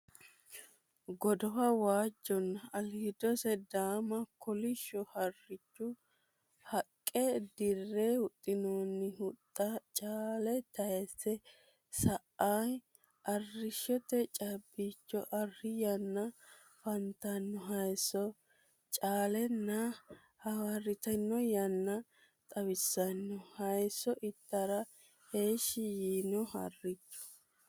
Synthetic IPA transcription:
ɡɔd̪ɔwɐwaːd͡ʒːɔnːɐɐlid̪ɔsɛd̪aːmɐkʰɔlɪʃːɔhɐrːɪt͡ʃːʊ | hɐkʼːɛd̪ɪrːeʊt̪ʼːɪnoːnːɪhʊt̪ʼːɐt͡ʃʼaːlɛt̪ɐjɛsɛ | sɐ | aj | ʔɐrːɪʃːɔt̪ɛt͡ʃʼɐbːit͡ʃːɔʔɐrːɪjɐnːɐ | fɐnt̪ɐnːɔɦɐjsːɔ | t͡ʃʼaːlɛnːɐ | hɐwɐrɪt̪ɐnːɔjɐnːɐ | t̪ʼɐwɪsːɐnːɔhɐjsːɔʔɪt̪ːɐɾɐ | heːʃɪjiːnɔhɐ̰rːɪt͡ʃːɔ̥

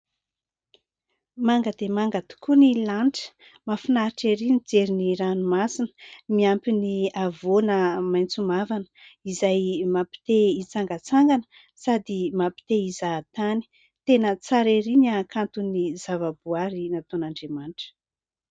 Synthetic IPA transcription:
maŋɡəd̪emaŋɡat̪i̥kunilaɳʈ͡ʂə̥ | mafinaɾiʈ͡ʂeɾinid͡zeɾiniɾanumasinə̥miampiniavonəmajnt͡sumavanə̥izajmapi̥t̪eit͡saŋɡat͡saŋɡanə̥ | sad̪imapi̥t̪eizat̪ani̥ | t̪enət͡saɾeɾiɲakant̪unizavabuaɾinat̪onaɳɖ͡ʐemanʈ͡ʂə̥

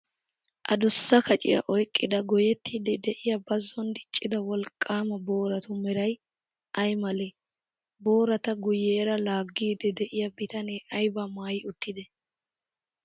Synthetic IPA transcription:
ʔɐ̰d̪ʊsːɐkɐt͡ʃʼɪ̰jɐ̰ʔɔjkʼːɪd̪ɐɡɔjɛt̪ʰːɪd̪ɛd̪ɛʔɪjɐbɐzːɔnd̪ɪt͡ʃʼːɪd̪ɐwɔlkʼːaːmɐbo̞ːɾɐt̪ʊmɛɾɐj | ʔɐjmɐlɛ | bo̞ːɾɐt̪ɐɡʊjeːɾɐlaːɡːiːd̪ɛd̪ɛʔɪjɐbɪt̪ɐneːʔɐjbɐmaːjɪʊt̪ːɪd̪ɛ

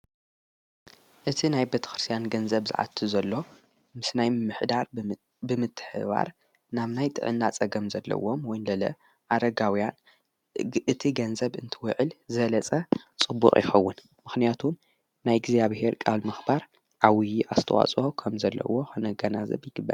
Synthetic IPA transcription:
ʔɨt̪ʰinajbet̪ʰɐ̥xɾɨst̪ʰijanɡɐnzɐβzɨ̰ʕa̰t̪ʰːɨzɐlːo̞ | mɨsnajmɨmːɨħd̪aɾ | bɨmɨt̪ʰːɨ̥ħɨ̰βa̰ɾ | naβnajt̪ʼɨ̰ʕɨ̰nːat͡sʼɐɡɐmzɐlːɐ̰womwɔjnlɐlɐ̰ | ʔaɾɐɡawjan | ɨt̪ʰiɡɐnzɐβɨnt̪ʰɨwɨʕɨlzɨɐlɐt͡sʼɐt͡sʼɨbːṵχʼjɪ̰xɐwːʊn | mɨxnijat̪ʰum | najɡzaβhe̞ɾkʼaβlmɨxbaɾ | ʔawijiʔast̪ʰɐwa̰t͡sʼokʰɐmzɐlːɐ̰wo̞xɐnɐɡɐnazɐ̰βjɪɡɨbːa̰l

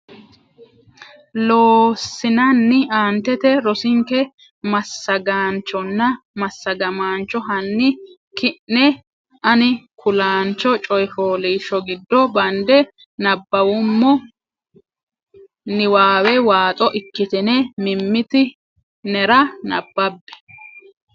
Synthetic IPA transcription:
loːsːɪnɐnːɪaːnt̪ɛt̪ɛɾɔsɪŋkɛ | mɐsːɐɡaːnt͡ʃːɔnːɐ | mɐsːɐɡɐmaːnt͡ʃːɔɦɐnːɪ | kɪnːɛ | ɐnɪkʊlaːnt͡ʃːɔt͡ʃʼɔjfoːliːʃːɔɡɪd̪ːɔbɐnd̪ɛ | nɐbːɐwʊmːɔ | nɪwaːwɛwaːt̪ʼɔʔɪkːɪt̪ɛnɛmɪmːɪt̪ɪ | nɛɾɐnɐ̰bːɐbːɛ̥

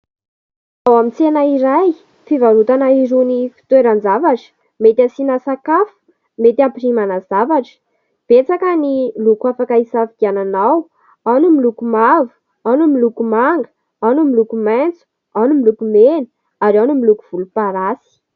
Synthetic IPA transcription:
awamit͡senaiɾaj | fivaɾut̪anaiɾunifi̥t̪weɾand͡zavaʈ͡ʂə̥ | met̪ʲasinasakafu̥ | met̪iampirimanaz̥avaʈ͡ʂə̥ | b̥et͡sakənilukuafakaisafiɡiananaw | anumilukumavu̥ | anumilukumaŋɡə̥ | anumilukument͡su̥ | anumilukumeni̥ | aɾanumilukuv̥ulupaɾasi̥

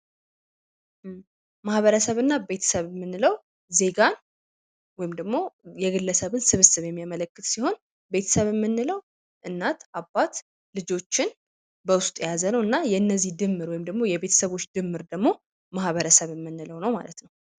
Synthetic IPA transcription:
mahβəɾəsəβɨnːabe̞t̪ʰə̥səβmːɨnːɨləw | ze̞ɡan | wɔjɪmd̪əɡmo̞jɛɡɨlːəsəβɨnsɨβɨsɨβjɛmːijamələkːɨt̪siho̞n | be̞t̪ʰə̥səβɛmːɨnːɨləw | ʔɨnːat̪ʔabːat̪ | lɨd͡ʒo̞t͡ʃːɪn | bəwʊst̪ʼjazənəwɨnːajɛɨnːəzːid̪ɨmːɨɾwɔjɪmd̪əɡmo̞jɛβe̞t̪ʰə̥səβo̞t͡ʃːd̪ɨmːɨɾd̪əɡmo̞ | mahβəɾəsəβɨmːɨnːɨləwnəwma̰lət̪nəw

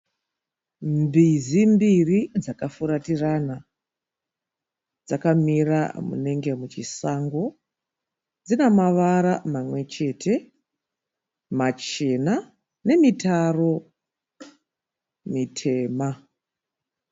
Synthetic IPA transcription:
mbizimbirid͡zakafuɾatirana | d͡zakamira̰mṵne̞ŋɡe̞mut͡ʃisaŋɡo̞ | d͡zinemaʋaɾamamwe̞t͡ʃe̞tʰe̞ | mat͡ʃe̞na | ne̞mitaro̞ | mitʰe̞ːma

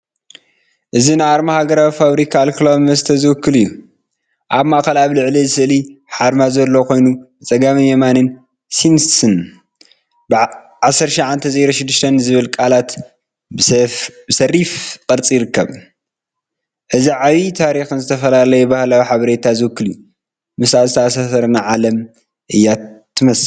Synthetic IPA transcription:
ʔɨzinaaɾmahaɡɐɾawifaβɾikʰaːlkʰlaβmɐst̪ʰɐzɨwɨkʰːɨlɨjːu | ʔaβmaʔkɐlaaβlɨʕlizɨsɨɨliħaɾmazɐlːo̞kʰo̞jnu | t͡sʼɐɡamɨnjemanɨn | sinssɨn | b | ʕasːɐɾʃiʕant̪ʰɐzeɾoʃɪd̪ːɨʃt̪ʰɐnzɨβɨlkʼalat̪ | bɨsɐrːifkʼɐɾt͡sʼijɾɨkːɐβ | ʔɨziʕaβit̪ʰaɾixɨnzɨt̪ʰɐfɐlalɐjubahlajuħaβɐɾe̞t̪ʰazɨwɨkːɨlju | mɨsazɨt̪aʔasasɐɾnaʕalɐm | ʔɨjːat̪ʰːɨmɐs

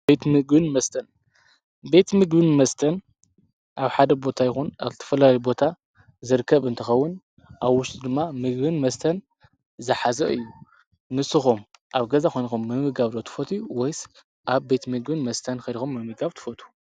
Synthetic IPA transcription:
bet̪mɨɡbɨnmɐst̪ʰɐn | be̞t̪mɨɡbɨnmɐst̪ʰɐn | ʔaβħad̪ɐbo̞t̪ʰajɪxunazɨt̪ʰɐ̥fɐlalɐjubo̞t̪ʰa | zɨɾkʰːɐβɨnt̪ʰɐxɐwːʊn | ʔaβwʊʃt̪ʼd̪ɨmːamɨɡbɨnmɐst̪ʰɐn | zɨħazɐ̰ʔɨjːu | nɨsɨxomʔaβɡɐzaxʰojnxumːɨmɨɡaβlo̞t̪ʰɨ̥fot̪ʰiwɔjs | ʔaβbe̞t̪mɨɡbɨnmɐst̪ʰɐnkʰɐd̪ixomːɨmɨɡaβt̪ʰɨ̥fot̪ʰu̥

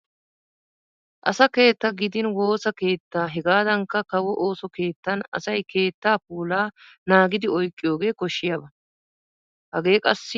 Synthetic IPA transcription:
ʔɐsɐke̞ːt̪ːɐɡɪd̪ɪnwo̞ːsɐke̞ːt̪ːaːɦɛɡaːd̪ɐŋkːɐkɐwɔʔo̞ːsɔke̞ːt̪ːɐnɐ̰sɐjke̞ːt̪ːaːpuːlaː | naːɡɪd̪ɪɔjkʼːɪjo̞ːɡe̞ːkɔʃːɪjɐbɐ | hɐɡe̞ːkʼɐsːɪ

